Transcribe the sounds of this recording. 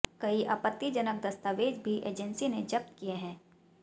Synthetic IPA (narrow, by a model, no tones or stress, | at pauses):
kɐiʔaːpət̪ːid͡ʒɐnək̚d̪ɐst̪aːʋeːd͡ʒbʱiʔḛːd͡ʒənsined͡ʒɐp̚t̪kieɦɛ̃ː